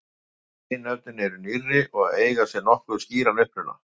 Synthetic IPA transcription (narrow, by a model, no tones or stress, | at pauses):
ɪnɛvt̪ʏnɛɾʏnirːɪʔɔɣaðeːjɣasjɛnɔhkʏʏsciːɾanʏhpɾʏna̰